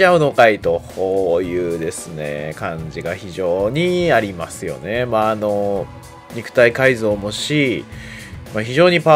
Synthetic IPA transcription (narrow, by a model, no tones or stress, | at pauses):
aɯ̟no̞kait̪o̞hoːjɯ̟ːd̪e̞sɨne̞̰kãɲ̟d͡ʑiɡaçiʑo̞ːɲ̟iaɾʲimasɨjo̞̰ne̞maːno̞ | ɲ̟ikɯ̟̥t̪aikaizo̞ːmo̞ɕi | maçiʑo̞ːɲ̟ipa